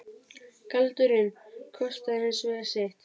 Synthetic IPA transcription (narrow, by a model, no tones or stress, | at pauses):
kʰalt̪ʏɾɪnkʰɔst̪aðɾɪnsveɣaseht̪